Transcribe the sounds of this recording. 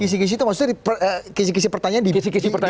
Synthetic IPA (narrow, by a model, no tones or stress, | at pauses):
kis̬ikisit̪umaksu̥aipəəkisikis̬ipərt̪aɲaandiisikisipərt̪a